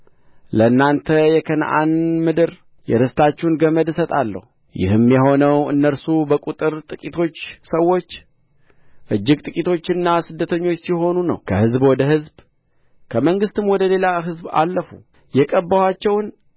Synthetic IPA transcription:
ləɨnːant̪ʰəjɛkʰənʔa̰nmɨd̪ɨɾ | jɛ̰ɾɨst̪ʰat͡ʃːɛunɡəməd̪sət̪ʼalːə̰hu | jɪ̰hɨmjɛɦo̞nəwɨ̰nːəɾsubəkʼut̪ʼɨɾt̪ʼɨkʼit̪ʰo̞t͡ʃːsəwːo̞t͡ʃː | ʔɨd͡ʒːɪɡt̪ʼɨkʼit̪ʰo̞t͡ʃːɨnːasɨd̪ːət̪ʰəɲːo̞t͡ʃːsiho̞nunə̰wkʰəhɨzbwɔd̪əɦɨzb | kʰəməŋɡɨst̪ʰɨmwɔd̪əle̞laɦɨzba̰lːəfṵ | jɛkʼəbːəwat͡ʃːɛwn

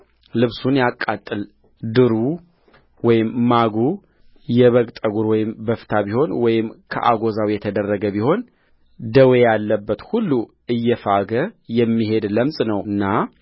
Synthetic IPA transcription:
lɨβsunjakʼːat̪ʼːɨl | d̪ɨɾu | wɔjɪmːaɡu | jɛβəɡt̪ʼəɡuɾwɔjɪmbəft̪ʰabiho̞nwɔjɪmkʰə̰ʔa̰ɡo̞zawjɛt̪ʰəd̪ərːəɡəβiho̞n | d̪əwe̞jalːəbːət̪hulːu | ɨjːɛfaɡəjɛmːihe̞d̪ləmsʼnəwɨnːa

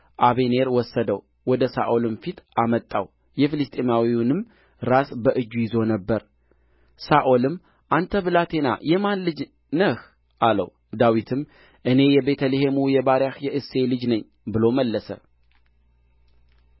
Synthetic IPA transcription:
ʔaβe̞ne̞ɾwɔsːəd̪əw | wɔd̪əsa̰ʔo̞lɨmfit̪ʰamət̪ʼːa̰w | jɛfilɨst̪ʼemawinɨm | ɾasbəʔɨd͡ʒːujɪzo̞nəbːəɾ | saʔo̞lɨm | ʔant̪ʰəβɨlat̪ʰe̞na̰jɛmanlɨd͡ʒ | nəh | ʔalə̰w | d̪awit̪ʰɨm | ʔɨne̞jɛbe̞t̪ʰəlehemujɛbaɾjahjɛʔɨsːe̞lɨd͡ʒnəɲː | bɨlo̞məlːəsə̰

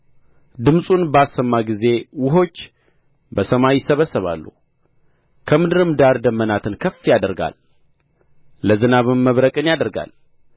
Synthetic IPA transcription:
d̪ɨmsʼunbəasːəmːaɡize̞wʊɦo̞t͡ʃː | bəsəmajɪsəβəsːəβa̰lːṵh | kʰəmɨd̪ɨɾɨmd̪aɾd̪əmːənat̪ʰɨnkʰəfːijad̪əɾɡa̰l | əzɨnaβɨmːəβɾəkʼɨnjad̪əɾɡa̰l

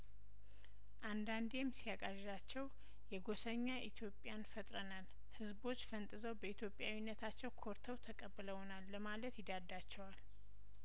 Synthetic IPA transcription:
ʔand̪and̪emːsijakʼaʒat͡ʃːɛw | jɛɡo̞səɲːaʔit̪ʰjo̞pʼːjanfət̪ʼɾənal | hɨzbo̞t͡ʃːfənt̪ʼɨzəwbəit̪ʰjo̞pʼjawinːət̪ʰat͡ʃːɛwkʰo̞ɾt̪ʰəwt̪ʰəkʼəbːɨləwonalːəmalət̪jɪd̪ad̪at͡ʃːɛwal

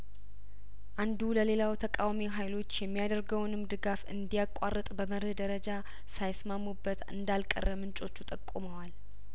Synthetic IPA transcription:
ʔand̪uləle̞lawt̪ʰəkʼawmiɦajlo̞t͡ʃːjɛmːijad̪əɾɡəwnɨmd̪ɨɡafɨ̰nd̪ijakʼarːɨt̪ʼbəməɾɨhd̪əɾəd͡ʒa | sajsmamːubːət̪ɨ̰nd̪alkʼə̰rːəmɨnt͡ʃʼo̞t͡ʃːut̪ʼəkʼːuməwal

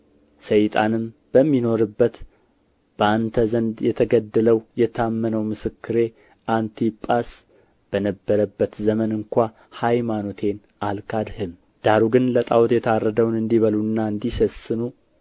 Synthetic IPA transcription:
səjt̪ʼa̰nɨmbəmːino̞ɾɨbːət̪ | b̥əant̪ʰəzənd̪jɛt̪ʰəɡəd̪ːələwjɛt̪ʰamːənəwmɨsɨkːɨɾe̞ | ʔant̪ʰipʼas | b̥ənəbːəɾəbːət̪zəmənɨŋkʷa | hajmanot̪ʰe̞n | ʔalkʰad̪hɨm | d̪̥aɾuɡɨnlət̪ʼa̰wɔt̪jɛt̪ʰarːəd̪əwnɨnd̪iβəlunːaɨnd̪isəsɨnu

